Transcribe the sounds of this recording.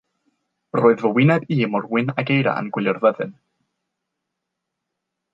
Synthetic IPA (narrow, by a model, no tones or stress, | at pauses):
roːɨðvəwɪnaðiːmɔrwɪnaɡejɾa̰ʔa̰nɡwɪljarðɛðɨn